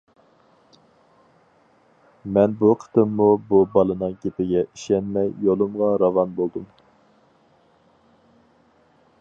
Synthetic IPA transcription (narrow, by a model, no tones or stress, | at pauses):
mɛnbuqʰə̥t̪ɨmːububɑlˠɨnɨŋɡʲepɪɡʲɛʔiʃɛnmɛjːolˠɨmʁɑɾɑvɑnbolˠd̪um